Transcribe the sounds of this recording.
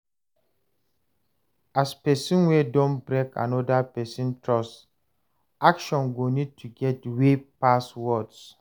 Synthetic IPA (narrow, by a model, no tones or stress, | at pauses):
aspɛsĩnwɛdõnbɹekʰã̰nɔdapɛsĩntɹɔs | akʃɔ̃nɡonid̚tʰuɡɛt̚wepaswɔds